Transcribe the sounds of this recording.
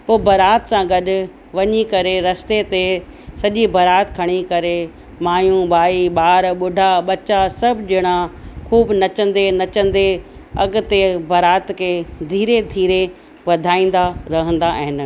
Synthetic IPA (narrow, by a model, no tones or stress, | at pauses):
poːbʱɐɾaːt̪sãɡɐɗʊ̆ | ʋɐɲikɐɾeɾɐst̪et̪e | sɐʄibʱɐɾaːt̪kʰɐɽ̃ikɐɾe | maːjũbaːiɓaːɾɓʊɖʱaɓɐt͡ɕasɐbʱd͡ʑɪɽ̃akʰuːbnɐt͡ɕə̃nd̪enɐt͡ɕə̃nd̪eɐɡʊt̪ebʱɐɾaːt̪kʰeːd̪ʱiːɾed̪ʱiːɾe | ʋɐd̪ʱaːĩːn̆d̪aɾɐɦə̃nd̪aʔɦɪn̆